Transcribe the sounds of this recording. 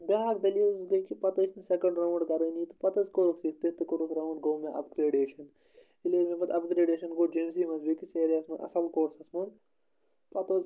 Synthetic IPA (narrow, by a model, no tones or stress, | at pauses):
bʲaːkd̪ɐlilsɡɐjkipɐt̪ɐisnɐsekɐ̃ɳɖɾɐwɳɖɡɐɾɐnit̪ɨ̥pɐt̪ɐzkoɾukʰsit̪it̪ɨkoɾukʰɾɐwɳɖɡoːmẽʔɐ̰pɡɾeːɖeːʃɐn | ileːmẽpɐt̪ɐpɡɾeːɖeːʃɐnɡoːd͡ʒems̬iːmɐzbikiseːɾijɐsmɐnʔɐ̰sɐlkoːɾsɐsmɐn | pɐt̪oz